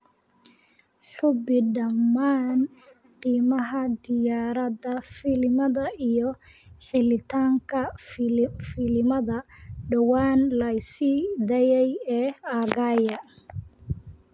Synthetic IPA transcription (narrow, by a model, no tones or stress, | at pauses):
ħʊbɪɖɐmːaːn | qiːmɐɦɐd̪ɪjaːɾɐðɐfɪlɪmɐðɐʔijɞ | ħɪlɪt̪ʰaːŋkʰɐ | fɪlɪmɐðɐɖɐwaːnlɐjsid̪ɐjɛjɛːaːɣaːjɐ